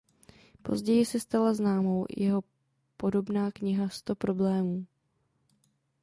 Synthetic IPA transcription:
po̞̰zɟɛjɪsɛst̪alaznaːmo̞wjɛɦo̞ | po̞do̞bnaːkɲɪɦast̪o̞pɾo̞blɛːmuː

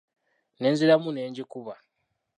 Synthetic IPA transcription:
ne̞ːnzilamune̞ːɲɟikuβa

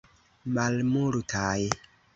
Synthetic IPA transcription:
malmultʰaj

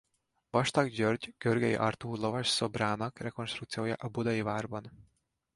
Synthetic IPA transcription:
vɒʃt̪ɒɡd͡ʒørɟɡ̥ørɡɛjḭʔɒ̰rt̪uːlo̞vɒʃso̞braːnɒkrɛko̞nʃt̪rukt̪sijoːjɒ̰ʔɒbud̪ɒjivaːrbɒn

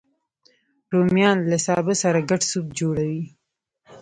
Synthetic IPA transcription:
ɾomjɑnlasɑbəsaɾaɡaɖsub̚d͡ʒoɽawi

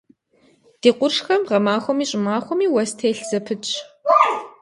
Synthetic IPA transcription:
d̥eːqʷʊrʂxɐmʁɐmaːxʷɔmiːɕʼɪmaːxʷɔmiːwɐstʰeːɬz̥ɐpʰɨt͡ʃʼ

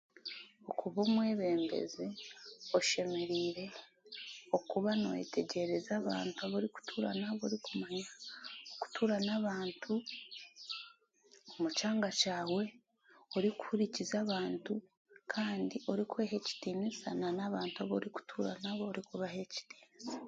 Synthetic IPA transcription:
okʰuβomweːβe̞ːmbḛzioʃe̞meɾiːɾe̞ | o̞kuβano̰jḛtʰe̞ɟe̞ɾezaβa̰ːntuaβoɾiku̥tʰuɾa̰naβo̞̰ɾikumaɲaoku̥tʰuɾanaβaːntʰu | omut͡ʃaːŋɡat͡ʃaːwe̞ | oɾiku̥huɾicizaβaːntu | kʰaːndiʔo̞ɾikwe̞ːɦeci̥tinisananaβaːntuaβo̞̰ɾiku̥tʰuɾa̰naβo̞ːɾikuβahe̞ci̥tiːnisa

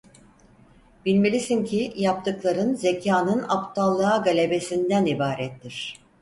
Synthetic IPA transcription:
b̥ilʲme̞lʲisincʰijap̚t̪ʰɯklˠaɾɯnze̞cʰaːnɯnapt̪ʰalˠːaːɡalʲe̞be̞sind̪ænibaːɾɛt̪ːiɾ̝̥

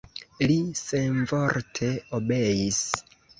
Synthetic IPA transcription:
liseɱvoɾtʰe̞obejis

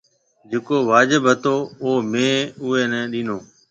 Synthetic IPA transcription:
d͡ʒeːkoːʋaːd͡ʒɪbɦət̪oːoːmẽːʊːeːnɛ̃ːɗiːnoː

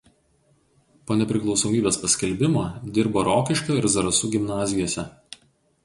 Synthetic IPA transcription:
poːnʲɛpʲɾʲɪklˠɒʊsoːmʲiːbʲeːspɐsʲkʲɛlʲbʲɪmoːd̪ʲɪɾboːɾoːkʲɪʃʲkʲoːɪɾzɐɾɐsʊɡʲɪmnɑːzʲɪjoːsʲɛ

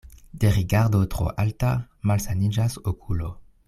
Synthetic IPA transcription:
d̪̥eʁiɡaʁd̪ot̪ʁo̰ʔalta | malsanid͡ʒasokʰulo

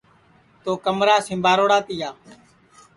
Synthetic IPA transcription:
t̪oːkəmɾaːsɪ̃mbaːɾoːɽaːt̪ɪjaː

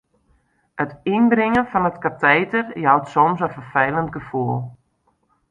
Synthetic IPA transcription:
ətinbɾɪŋənfɔnətkatʰɛjtərjawtsɔmsɔfərfɛjlˠənt̚ɡəfuəlˠ

